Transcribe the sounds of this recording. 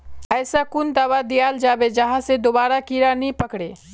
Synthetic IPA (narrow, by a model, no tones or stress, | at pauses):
ɛːsakʊnd̪aːwad̪ijaːld͡ʒaːbed͡ʒəɦãsed̪obaːɾakiɾanĩpəkɽeː